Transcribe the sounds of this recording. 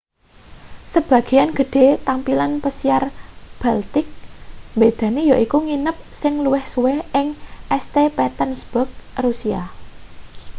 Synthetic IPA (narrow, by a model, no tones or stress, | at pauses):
səb̥ä̤ɡ̥e̤janɡ̥ə̤ɖ̪̥e̤t̪ampilanpəsiarb̥alt̪ɪk̚mbed̪̥a̤nejaʔikuŋinəp̚sɪŋluwɪhsuweɪŋʔɛst̪epɛt̪ənsb̥ɔk̚rusia̰